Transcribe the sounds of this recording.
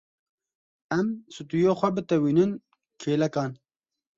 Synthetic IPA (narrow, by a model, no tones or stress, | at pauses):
ɛmsut̪ujoːxʷɛbɨt̪ɛwiːnɨn | kʰeːlɛkɑːn